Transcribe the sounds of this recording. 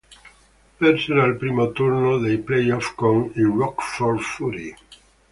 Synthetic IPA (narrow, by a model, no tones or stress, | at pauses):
peɾseɾalpɾimot̪uɾnoðejplejɔfkoŋiwɔkfɔlfuɾi